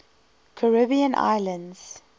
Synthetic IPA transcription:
kʰəɹɪbiə̃nʔa̰ɪlə̃ndz̥

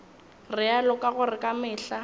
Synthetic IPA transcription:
rɪalʊkʼaɣʊrɪkʼamɪːɬa

